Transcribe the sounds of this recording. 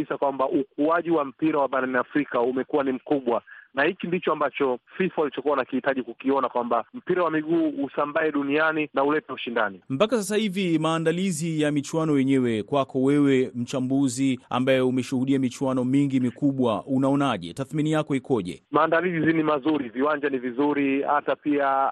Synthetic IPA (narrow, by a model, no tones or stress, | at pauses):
isakwambaʔuk̚uaʄiwam̩piɾawaɓaɾaniafɾikaumɛkuwanim̩kuɓwanahikindit͡ʃɔambat͡ʃɔfifualit͡ʃɔkuanakihitaʄikukiɔnakwambam̩piɾawamiɠuːusambaɛɗunianinaulɛpɛuʃindanim̩pakasasahivimaːndalizijamit͡ʃuwanɔwɛɲɛwɛkwakɔwɛwɛm̩t͡ʃambuzia̰mbajɛumɛʃuhuɗiamit͡ʃuwanɔmiŋɡimikuɓwaunaɔnaʄɛ̰taθminijakɔikɔʄɛ̰maːndalizzinimazuɾiviwaɲd͡ʒanivizuɾihatapia